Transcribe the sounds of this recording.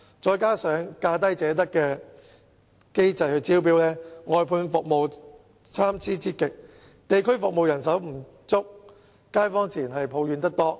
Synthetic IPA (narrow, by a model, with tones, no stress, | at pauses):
t͡ʃɔː˧jkaː˥sœː˨˥ŋkaː˧t̪ɐ˥jt͡sɛː˨˥t̪̬ɐ˥kːɛː˧ | ke˥jt͡sɐ˨˧jhɵ˧ɥt͡siː˥wp̬iː˥wlɛː˥ŋɔː˨˧jpʰuː˧ŋfʊ˨k̚mo˨w | t͡sʰaː˥mt͡sʰiː˥t͡siː˥kɪ˨k̚ | t̪e˨jkʰɵ˥ɥfʊ˨k̚mo˨wjɐ˨˩ns̬ɐ˨˥wm̩˨˩ | t͡sʊ˥k̚ | kaː˥jfɔː˥ŋt͡sʰiː˨˩nɦɐ˨jpʰo˨˧wjyː˨˧nt̪ɐ˥k̚t̪ɔː˥